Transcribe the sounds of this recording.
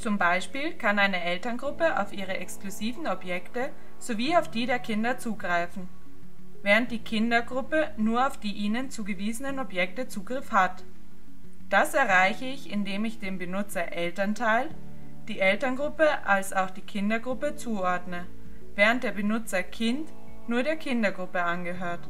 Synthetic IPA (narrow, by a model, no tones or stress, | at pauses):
t͡sʊmbaɪʃpiːlkʰanaɪnəʔɛltɐnɡʁʊpəʔa̰ʊfʔiːʁ̞əʔɛkskluziːvn̩ɔbjɛktə | z̥oviːaʊfd̥iːdeːɐkʰɪndɐt͡suːɡʁaɪfn̩ | vɛːʁənt̚d̥iːkʰɪndɐɡʁʊpənuːɐaʊfd̥iːʔiːnənt͡suːɡəviːzənənɔbjɛk̚tət͡suːɡʁɪfhat | d̥asɛɐʁaɪçəɪçɪndeːmɪçd̥eːmbənʊt͡sɐʔɛltɐntʰaɪl | d̥iːʔɛltɐnɡʁʊpəʔalsaʊxd̥iːkʰɪndɐɡʁʊpət͡suːʔɔɐdnə | vɛːʁənt̚d̥eːɐbənʊt͡sɐkʰɪnt | nuːɐɾeːɐkʰɪndɐɡʁʊpəʔanɡəɦøːɐt